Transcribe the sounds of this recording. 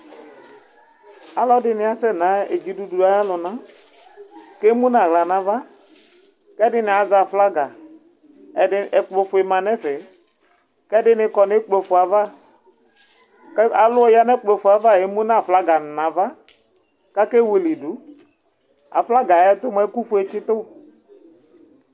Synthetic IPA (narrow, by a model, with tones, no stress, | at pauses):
a˨lɔ˦dɪ˦nɪ˨a˦sɛ˦˨na˨˦ḛ˨d͡ʒi˨du˨du˨a˨˦ja˦lɔ˨na˨˦ | ke˦mu˦na˨ɣla˨na˨va˦ | kɛ˦dɪ˦nɪ˨a˨za˨fla˦ɡa˨ | ɛ˨ɪ˨˦ɛ˨k͡plo˨fʊ˨e˨ma˨nɛ˦fɛ˨ | kɛ˦dɪ˦nɪ˧kɔ˨nɪ˦k͡plo˨fʊ˨a˨va˦ | ka˨lʊ˦ɔ˦ja˦nɛ˦k͡plo˨fʊ˨a˨va˦˨e˨˦mũ˦na˦˨fla˦ɡa˨nã˨va˦ | ka˦kɛ˦we˨li˨du˨˦ | a˨fla˦ɡa˨ɛ˦t̪ʊ˦m˦ɛ˦ku˦fʊ˨˦e˨t͡ʃɪ˦t̪ʊ˦